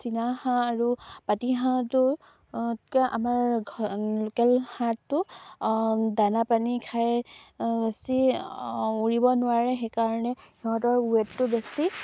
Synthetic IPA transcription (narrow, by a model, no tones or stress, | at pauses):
sinahãːɹupatiɦãtʊ | tkaʔamaɹʱ | lokɛlhatːʊ | danapanikʰaj | besi | uɹibɔnʊwaɹɛxekaɹɔnɛhiɦɔ̃t̬ɔɹuɛtːʊbesi